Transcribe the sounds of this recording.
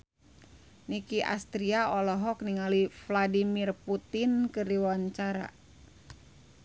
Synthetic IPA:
nikiʔa̰st̪ɾiaɔlɔɦɔk̚niŋalifladimirput̪inkɨriwaɲt͡ʃaɾa̰

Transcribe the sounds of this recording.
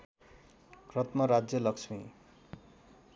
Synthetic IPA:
krʌt̪mʌɾad͡zjʌlʌksʰmi

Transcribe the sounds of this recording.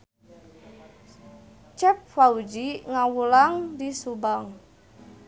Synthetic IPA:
t͡ʃɛp̚faud͡ʒiŋawulaŋdisubaŋ

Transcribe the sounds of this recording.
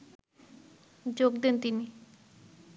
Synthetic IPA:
d͡ʑok̚d̪ent̪ini

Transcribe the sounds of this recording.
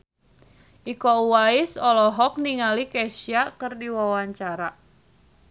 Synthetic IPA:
ʔikɔuwaisɔlɔɦɔk̚niŋalikɛsiakərdiwawaɲt͡ʃaɾa

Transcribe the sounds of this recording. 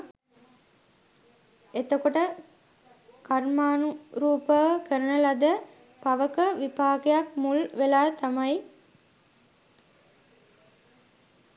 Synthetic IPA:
et̪əkoʈə | kɐɾmaːnuɾuːpəʋkəɾənəlɐd̪ə | pɐʋəkəʋipaːkejak̚mulʋelaːt̪ɐmɐj

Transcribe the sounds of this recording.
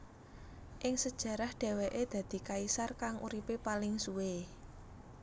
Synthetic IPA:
ʔɪŋsəd̥ʒ̥ä̤ɾahɖ̪̥ɛ̤weʔed̪̥ä̤d̪̥i̤kaisarkaŋʔṵɾipepalɪŋsuwe

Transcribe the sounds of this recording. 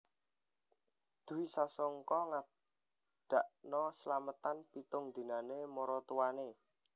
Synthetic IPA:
d̪̥ṳwisasɔŋkɔŋa | ɖ̥a̤ʔnɔsəlamət̪anpit̪ʊŋd̪̥i̤nanemɔɾɔt̪uwane

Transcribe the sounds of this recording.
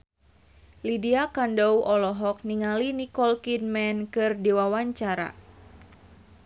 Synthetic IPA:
lidiakandɔwʔɔlɔɦɔk̚niŋalinikɔlkinmɛnkɨrdiwawaɲt͡ʃaɾa̰

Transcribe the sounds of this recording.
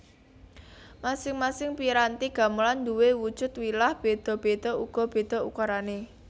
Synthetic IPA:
masɪŋmasɪŋpiɾant̪iɡ̥ä̤məland̪uwewud̥ʒ̥ʊ̤t̪wilahb̥e̤d̪̥ɔ̤b̥e̤d̪̥ɔ̤uɡ̥ɔ̤b̥e̤d̪̥ɔ̤ukaɾane

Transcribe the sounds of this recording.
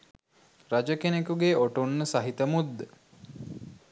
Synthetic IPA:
rad͡ʒəkenekuɡeoʈunːəsaɦit̪əmud̪ːə

